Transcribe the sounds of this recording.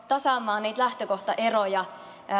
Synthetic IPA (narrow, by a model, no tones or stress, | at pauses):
t̪ɑsɑmːˑɑːnniːt̪læht̪økoht̪ɑʔe̞rojɑ